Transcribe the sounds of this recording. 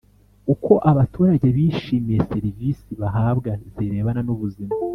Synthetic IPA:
uko̞ʔaβatʰuːɾaɟe̞βiʃiːmijese̞ɾivisiβaɦaːbɡaziɾe̞ːβananuβuzima

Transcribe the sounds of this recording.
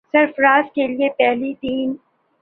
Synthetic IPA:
sɐɾfɾaːzkeliepɛɦlit̪iːn

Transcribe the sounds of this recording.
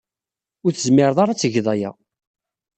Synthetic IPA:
ʊɾθəzmɪɾðˤɑɾˤat͡sːəʝðˤɑjæ̰

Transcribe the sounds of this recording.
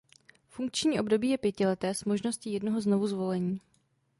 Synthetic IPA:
fuŋk̚t͡ʃɲiːʔo̞bdo̞biːjɛpjɛcɪlɛt̪ɛːsmo̞ʒno̞sciːjɛdno̞ɦo̞zno̞vuzvo̞lɛɲiː

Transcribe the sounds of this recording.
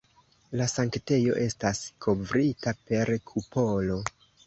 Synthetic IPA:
lasaŋkte̞jo̞̰ʔe̞staskʰo̞vɾitape̞ɾkʰupo̞lo̞

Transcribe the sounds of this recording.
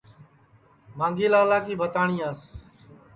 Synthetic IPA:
mãːŋɡiːlaːlaːkiːbʱət̪aːɳĩːaːs

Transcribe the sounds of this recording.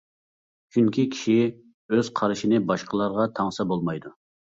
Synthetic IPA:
t͡ʃʰyŋkʲikʲʰi̥ʃi | øz̥qʰɑɾɪʃinɪbɑʃqəlˠɑɾʁɑt̪ʰɑŋsɑbolˠmɑjd̪u

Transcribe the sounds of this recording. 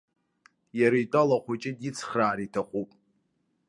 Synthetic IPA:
jaɾaitʼalaχʷat͡ʃʼɪdit͡sʰχraːɾitʰaχʷupʼ

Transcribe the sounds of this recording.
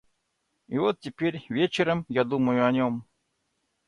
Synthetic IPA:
ivɔt̪̚tʲːɪpʲerʲvʲet͡ɕɪɾɐmjad̪umɐjʊɐnʲɔm

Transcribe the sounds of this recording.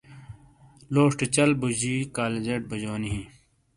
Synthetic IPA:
loːʂʈet͡ɕɐlbud͡ʑiːkaːled͡ʑeʈ̚bɐd͡ʑoːniɦĩ

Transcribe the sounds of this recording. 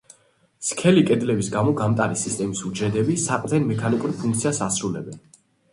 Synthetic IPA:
skʰɛlikʼɛd̪lɛbisɡamɔɡamt̪ʼaɾisist̪ʼɛmisuɾd͡ʒɛd̪ɛbisaqʼd̪ʰɛnmɛkʰanikʼuɾpʰuŋk̚ʰt̪sʰiasasɾulɛbɛn

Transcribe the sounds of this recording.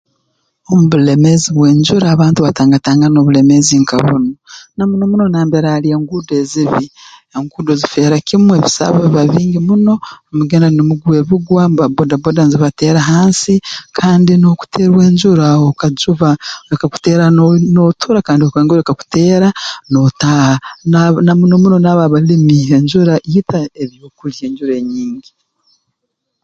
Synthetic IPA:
omuβulemeziβwe̞ːɲd͡ʒuɾaːβaːntuβataːŋɡataːŋɡano̞βule̞me̞ziŋkaβṵnonamuno̞muno̞naːmbeɾaːlieːŋɡudeːziβieŋɡuːdozife̞ːɾakimweβisa̰βoββaβiːŋɡimuno̞muɡenanimuɡwe̞βiɡwamβabodabodanziβateːɾaɦaːnsikʰaːndino̞ku̥tʰeːɾwe̞ːɲd͡ʒuɾaokad͡ʒuβaoɾekaku̥teːɾanotʰuɾakaːndiokaŋɡoɾekaku̥teːɾanotananamunomuno̞naβaβalimieɲd͡ʒuɾaitaeɾjoːkulje̞ːɲɟuɾeɲiːɲɡi

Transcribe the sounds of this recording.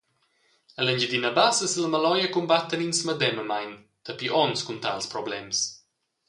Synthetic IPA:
ələnd͡ʒəd̪inəbasəsələməlɔjəkumbat̪ːəninsməd̪ɛməmajn | t̪əpiʔɔnskunt̪a̰lspɾɔblɛms

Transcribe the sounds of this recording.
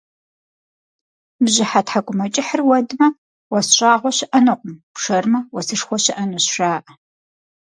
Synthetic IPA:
mʑɪħatħaɡʷʼʊmɐt͡ʃʼɪħərwɐdmɐ | wɐsɕʼaːʁʷɔɕɪʔɐnɨqʷʼʊmpʂɐrmɐwɐsɨʂxʷɔɕɪʔɐnoɕʃaːʔɐ

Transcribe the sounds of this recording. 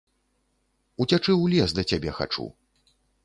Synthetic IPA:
ut͡sʲat͡ʂɨwlʲɛsd̪ɐt͡sʲabʲɛxa̰t͡ʂṵ

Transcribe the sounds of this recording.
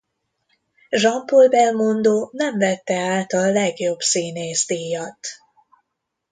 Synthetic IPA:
ʒɒmpolbɛlmond̪oːnɛɱvɛt̪ːɛaːlt̪ɒlːɛɡjo̞bsiːneːzd̪iːjɒt̪ː

